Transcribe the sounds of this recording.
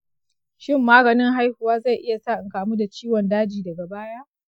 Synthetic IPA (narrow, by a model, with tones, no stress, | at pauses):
ʃɪ˦mːaː˦ɡɐ˨nɪ˦ŋɦa˦jhʊ˨waː˦za˦˨jʔɪ˦ja˨saː˦˨ʔɪ˨ŋkaː˨mu˦da˨t͡ʃiː˦wɔ˨ndaː˦d͡ʒiː˨dɐ˨ɡa˨baː˦jaː˦ʔ